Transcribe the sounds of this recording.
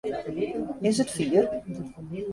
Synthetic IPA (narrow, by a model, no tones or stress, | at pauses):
ɪsətfiːər